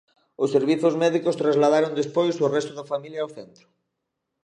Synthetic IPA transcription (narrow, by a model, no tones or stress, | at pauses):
ʊsːeɾβiθozmɛðikost̪ɾazlaðaɾond̪espojsorɛst̪oðafamiljaːwθɛnt̪ɾʊ̥